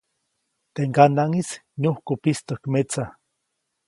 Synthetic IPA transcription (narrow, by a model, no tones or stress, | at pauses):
t̪eŋkanaŋisnohkopist̪okmet͡sa